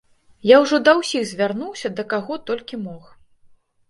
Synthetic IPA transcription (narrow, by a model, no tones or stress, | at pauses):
jawʐɔd̪ɐwsʲiɣzʲvʲarnuwsʲɐd̪ɐkaɣɔt̪ɔlʲkʲimɔx